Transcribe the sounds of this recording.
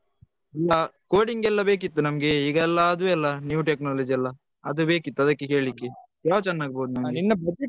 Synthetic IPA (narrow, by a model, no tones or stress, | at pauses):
ɛlːɐkoːɽiŋɡɛlːɐbe̞ːk̬it̪ːunɐmɐɡeiːɡɐɛlːɐːd̪uɛlːɐnjuːʈeknaːlɐd͡ʒiɛlːɐ | ɐd̪ube̞ːkit̪ːuɐd̪ɐkːeke̞ːɭikːe | jaːʋɐt͡ʃɛnːaːɡibɐːd̪unɐmɡinːɐɐ